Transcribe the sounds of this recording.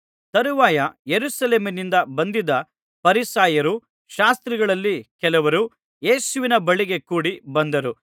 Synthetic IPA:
t̪ɐɾuʋaːjɐjeɾusɐleːmɐnind̪ɐbɐnd̪id̪ɐ | pɐɾisaːjɐɾu | ʃaːst̪ɾiɡɐɭɐlːikɛlɐʋɐɾu | je̞ːsuʋinɐbɐɭiɡe̞kuːɽibɐnd̪ɐɾu

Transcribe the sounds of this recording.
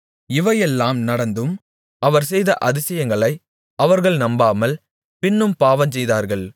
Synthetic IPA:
ɪʋɐjɛlːaːmnɐɽɐnd̪ɯm | ɐʋɐɾsɛjðɐ̰ʔɐðɪsɐjɐŋɡɐɭɐɪ | ɐʋɐɾɣɐɭnɐmbaːmɐl | pɪnːɯmpaːʋɐns̬ɛjðaːɾɣɐɭ

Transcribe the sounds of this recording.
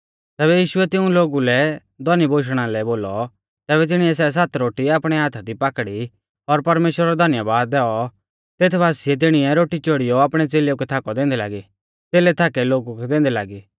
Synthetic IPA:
t̪ɛːβɛjiːʃʊɛt̪ɪ̃ũloːɡulɛ | d̪ʱɔnibʱoːʃ̬ɽ̃alɛboːlɔ | t̪ɛːβɛt̪ɪɽ̃iɛs̬ɛs̬at̪ɾoːʈiaːpɽ̃ɛɦaːt̪ʰad̪ipaːkɽi | ɔɾpɐɾmeːʃwəɾaɾɔd̪ʱɐnjabaːd̪ːɛːɔ | t̪eːt̪ʰbaːsiɛt̪̬ɪɽ̃iɛɾoːʈit͡ʃoːɽijoaːpɽ̃ɛt͡seːlejokɛt̪ʰaːkɔd̪ẽːnd̪ɛlaːɡi | t̪eːlɛt̪ʰaːkɛloːɡukɛd̪ẽːnd̪ɛlaːɡi

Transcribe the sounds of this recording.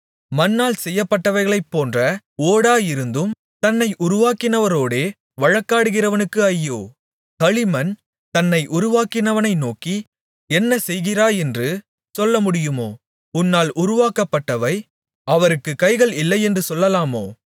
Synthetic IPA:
mɐnːaːlsɛjːɐpːɐʈːɐʋɐɪɣɐɭɐɪpːoːndrɐ | oːɽaːjɪɾɯnd̪ɯm | t̪ɐnːɐɪʔʊɾʊʋaːkɪnɐʋɐɾoːɽeː | ʋɐɻɐkːaːɽɯɣɪrɐʋɐnɯkːɯɐjːoː | kɐɻɪmɐn | t̪ɐnːɐɪʔʊɾʊʋaːkɪnɐʋɐnɐɪnoːkːi | ɛnːɐsɛjɣɪraːɛndrɯ | sɔlːɐmʊɽɪjɯmoː | ʊnːaːlʔʊɾʊʋaːkɐpːɐʈːɐʋɐɪ | ɐʋɐɾɯkːɯkɐɪɣɐɭɪlːɐɪɛndrɯsɔlːɐlaːmoː

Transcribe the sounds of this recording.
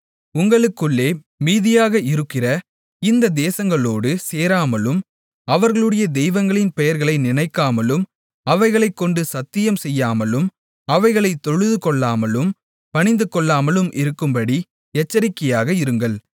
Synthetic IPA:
ʊŋɡɐɭɯkːɯɭːeː | miːðɪjaːɣɐɪɾɯkːɪrɐ | ɪnd̪ɐd̪eːsɐŋɡɐɭoːɽɯseːɾaːmɐlɯm | ɐʋɐɾɣɐɭɯɽɐjɐd̪ɛjʋɐŋɡɐɭɪnpɛjɐɾɣɐɭɐɪnɪnɐɪkːaːmɐlɯm | ɐʋɐɪɣɐɭɐɪkːɔɳɖɯsɐt̪ːɪjɐmsɛjːaːmɐlɯm | ɐʋɐɪɣɐɭɐɪt̪ːɔɻɯðɯkɔɭːaːmɐlɯm | pɐɳɪnd̪ɯkɔɭːaːmɐlɯmʔɪɾɯkːɯmbɐɽi | ɛt͡ʃːɐɾɪkːɐjaːɣɐɪɾɯŋɡɐɭ

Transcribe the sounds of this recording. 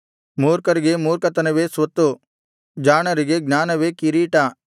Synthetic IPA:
muːɾkɐɾiɡemuːɾkɐt̪ɐnɐʋesʋɐt̪ːu | d͡ʒaːɳɐɾiɡeɡnaːnɐʋekiɾiːʈa

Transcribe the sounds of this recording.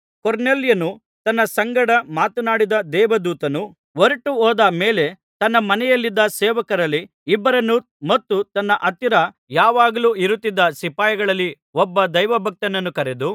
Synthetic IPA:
koɾneljɐnu | t̪ɐnːɐsɐŋɡɐɽɐmaːt̪unaːɽid̪ɐd̪ɛːʋɐd̪uːt̪ɐnu | ʋoɾɐʈuɔːd̪ɐmeːle̞ | t̪ɐnːɐmɐnɛjɐlːid̪ːɐsɛːʋɐkɐɾɐlːiː | bːɐɾɐnːu | mɐt̪ːut̪ɐnːɐʔɐt̪iɾɐ | jaːʋaːɡɐluːiɾut̪ːid̪ːɐsipaːjɐɡɐɭɐlːi | ɔbːɐd̪ɐjʋɐbʱɐk̚t̪ɐnɐnːukɐɾed̪u

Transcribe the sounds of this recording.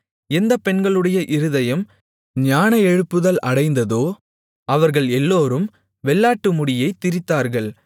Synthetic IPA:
ɛnd̪ɐpɛɳɡɐɭɯɽɐjɐʔɪɾɯðɐjɐm | ɲaːnɐɛɻɯpːɯðɐlɐɽɐɪnd̪ɐðoː | ɐʋɐɾɣɐɭɛlːoːɾɯm | ʋɛɭːaːʈːɯmʊɽɪjɐɪt̪ːɪɾɪt̪ːaːɾɣɐɭ

